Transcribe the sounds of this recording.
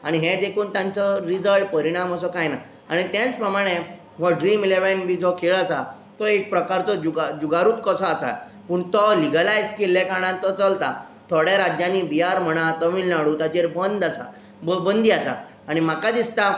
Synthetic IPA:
aɽ̃iɦed̪ekʰuːnt̪jãnt͡sɔɾid͡zəɭʈ̚pəɾiɽ̃aməsɔkajna | aɽ̃it̪jɛ̃t͡spɾəmaɽ̃e | ʋɔɖɾiːmileʋenbʱiːd͡zɔkʰeɭasa | t̪ɔek̚pɾəkaɾt͡sɔd͡ʑuɡad͡ʑuɡaɾuːt̪̚kəsɔasa̰ | puːɳt̪ɔliɡəlajd͡zkelːekaɽ̃ãnt̪ɔt͡səlt̪a | t̪ʰoɽjaɾad͡ʑjanibiaɾm̤əɽ̃at̪əmilnaɽut̪at͡ɕeɾbənd̪asa̰ | bəbənd̪ʱiːasa̰ | aɽ̃im̤akad̪ist̪a

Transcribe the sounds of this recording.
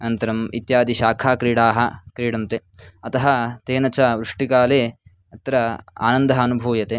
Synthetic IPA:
ɐnt̪ɐɾɐmit̪jaːd̪iʃaːkʰaːkɾiːɽaːɦɐ̆kɾiːɽɐmt̪eːɐt̪ɐɦɐt̪eːnɐt͡ʃɐʋɾuʂʈikaːleː | ɐt̪ɾɐa̰ːnɐnd̪ɐɦɐːnubʱuːʋjɐt̪eː

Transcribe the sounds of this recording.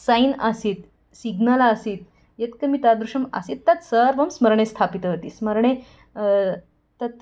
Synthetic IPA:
sajinasiːt̪ | siɡnalaːsiːt̪ | jet̪kəmiːt̪ad̪ɾuʂəma̰sit̪ːat̪səɾʋəmsməɾɳẽst̪ʰapit̪əɦət̪iːsməɾɳ̃e | t̪ət̪

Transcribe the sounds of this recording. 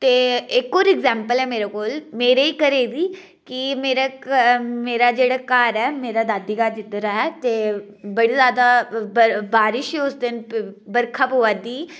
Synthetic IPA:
t̪eːɪkoːɾɪɡzɛ̃ːmpəlɛːmeːɾakoːlmeːɾeiːkəɾeːd̪iː | kimeːɾa | meːɾad͡ʒeːɽaːkaːɾɛːmeːɾad̪aːd̪iːkaːd͡ʒɪt̪ɾaːɛt̪eː | bəɽiːzjaːd̪abəbaːɾɪʃʊsd̪ɪnbəɾkʰapoʋad̪iː

